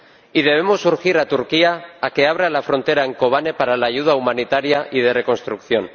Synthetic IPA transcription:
iðe̞β̞e̞mo̞sːuɾxiɾat̪uɾkiaake̞aβ̞ɾalafɾo̞nt̪e̞ɾaeŋko̞β̞ane̞paɾalaːʝuð̞aumãnit̪aɾjaʔið̞e̞re̞ko̞nst̪ɾukθjo̞n

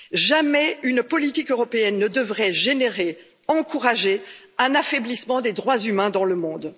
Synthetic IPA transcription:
ʒamɛynpɔlit̪ikøʁɔpeɛnːəd̪əvʁɛʒeneʁe | ɑ̃kuʁaʒe | ɛ̃nafɛblismɑ̃d̪ed̪ʁwazymɛ̃d̪ɑ̃ləmɔ̃d̪

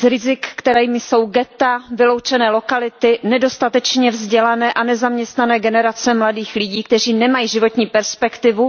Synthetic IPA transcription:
zɾɪzɪkːt̪ɛɾɛjmɪso̞wɡɛt̪avɪlowt͡ʃɛnɛːlokalɪt̪ɪnɛdo̞st̪at̪ɛt͡ʃɲɛvzɟɛlanɛːʔanɛzamɲɛst̪nanɛːɡɛnɛɾat͡sɛmladiːxlɪɟiːkt̪ɛr̝iːnɛmajiːʒɪvo̞t̪ɲiːpɛɾspɛkt̪ɪvu

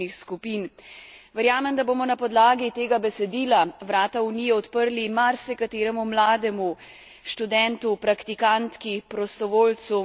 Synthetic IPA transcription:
ixskupiːnʋɛɾjaːmɛmd̪aboːmɔnapɔd̪laːɡit̪eːɡabɛsɛd̪iːlaʋɾaːt̪auniːjɛɔt̪pəɾlimaɾsɛkat̪eːɾɛmumlaːd̪ɛmu | ʃt̪ud̪ɛnt̪upɾakt̪ikant̪kipɾɔst̪ɔʋoːlt̪su

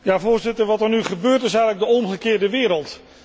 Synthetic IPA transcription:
javoːɹzɪtəɹʋɑtənyχəbøːɹtɪsɛɣənləɡ̚dəɔmχəkɪːɹdəʋɪːɾəlˠt

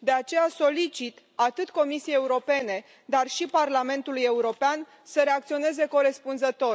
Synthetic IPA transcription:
d̪e̞at͡ʃe̞jaso̞lit͡ʃit̪ | at̪ɨt̪ko̞misiejeuɾo̞pe̞ne̞ | d̪arʃiparlame̞nt̪uluje̞uɾo̞pean | səɾe̞ak̚t̪sio̞ne̞ze̞ko̞ɾe̞spunzət̪o̞

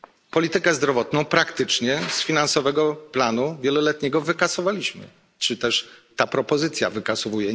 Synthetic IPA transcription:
pɔlʲit̪ɘkɛzd̪ɾɔvɔt̪nɔ̃w̃pɾakt̪ɘt͡ʂɲɛsfʲinansɔvɛɡɔplanuvʲjɛlɔlɛt̪ɲɛɡɔvɘkasɔvalʲiɕmɘ̰ | t͡ʂɘt̪ɛʂt̪apɾɔpɔzɘt̪sʲja̰vɘkasuɔvujɛ

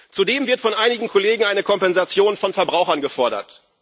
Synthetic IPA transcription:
t͡sudeːmvɪɐtfɔnʔaɪnɪɡŋ̩kʰoleːɡŋ̩aɪnəkʰɔmpɛnzat͡sjoːnfɔnfɛɐbʁaʊxɐnɡəfɔɐɾɐ̰t

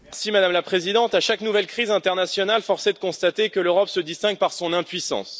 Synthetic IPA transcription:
simad̪amlapχezid̪ɑ̃t̪aʃaknuvɛlkχizɛ̃t̪ɛʁnasjɔnalfɔʁsed̪əkɔ̃st̪at̪ekəløʁɔpsəd̪ist̪ɛ̃ŋɡ̚paʁsɔ̃nɛ̃pɥisɑ̰̃s

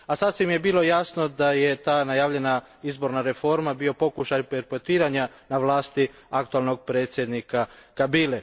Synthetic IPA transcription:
asasʋimje̞biːlo̞jaːsno̞d̪ajet̪aːnajaːʋʎe̞na | izbo̞ɾnaɾe̞fo̞ɾmabio̞po̞kuʃajpeɾpet̪iːɾaɲa | naʋlˠaːst̪i | ak̚t̪ualˠno̞ɡ̚pɾe̞ːt̪sje̞d̪nikakabile

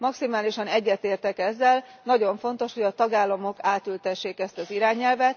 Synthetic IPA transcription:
mɒksimaːliʃɒnɛɟːɛt̪eːrt̪ɛkɛzːɛlnɒɟo̞ɱfo̞n̪t̪o̞ʃho̞ɟɒt̪ɒɡaːlːɒmo̞kaːt̪ylt̪ɛʃːeːkɛst̪ɒziɾaːɲɛlvɛt̪

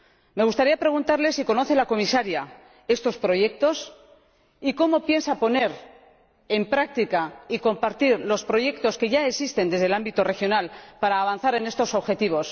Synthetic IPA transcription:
me̞ɣ̞ust̪aɾiapɾe̞ɣ̞unt̪aɾle̞siko̞no̞θe̞lako̞misaɾja | e̞st̪o̞spɾo̞ʝe̞k̚t̪o̞s | iko̞mo̞pje̞nsapo̞ne̞ɾ | empɾak̚t̪ikaiko̞mpaɾt̪iɾlo̞spɾo̞ʝe̞kt̪o̞ske̞ʝaeksist̪e̞nd̪e̞zð̞e̞lambit̪ore̞xjo̞nalpaɾaːβ̞anθaɾe̞ne̞st̪o̞so̞βxe̞t̪iβ̞o̞s

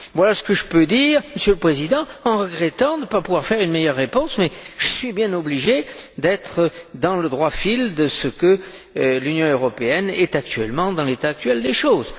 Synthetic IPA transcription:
vwalasə̥kəʒəpød̪iːʁməsjøləpχezid̪ɑ̃ɑ̃ʁəɡʁet̪ɑ̃d̪əpapuvwaʁfɛʁynmejœʁːepɔ̃smɛʒ̥əsɥibjɛ̃nɔbliʒed̪ɛt̪χəd̪ɑ̃ləd̪ʁwafild̪əsəkə | lynjɔ̃øʁɔpeɛnɛt̪ak̚t̪ɥɛlmɑ̃d̪ɑ̃let̪aːk̚t̪ɥɛld̪eʃoz

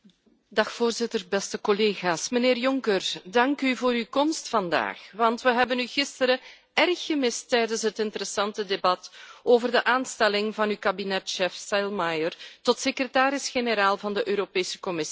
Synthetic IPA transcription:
dɑxfoːrzɪtərbɛstəkɔleːɣaːsməneːrjɔŋkərdɑŋkyvoːɾykɔmstfɑnda̰ːxʋɑntʋəɦɛbənyɣɪstəɾə | ɛrxːəmɪstɛjdənsɦətɪntəɾəsɑntədebɑtoːvərdəʔaːnstɛlɪŋvɑnykabinɛtʃɛfsajlmajərtɔtsekrətaːɾɪsxenəɾaːlˠvɑndəʔøːɾopeːsə̥kɔmɪs

